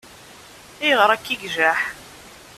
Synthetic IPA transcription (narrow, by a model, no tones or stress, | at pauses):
ɪjʁɾˤækːiɡʒæħ